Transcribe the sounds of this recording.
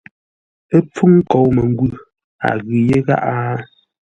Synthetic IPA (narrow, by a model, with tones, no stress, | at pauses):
e˦p͡fu˦ŋ̩˦kɔ˨wmɛ˨ŋ˦ɡwʉ˦˨ | a̰˨ɣʉ˨je˦ɣa̰˦ʔa˦